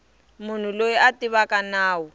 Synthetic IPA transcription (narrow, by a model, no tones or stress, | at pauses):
mʊn̤ulojiʔatiβakʼanaːwʊ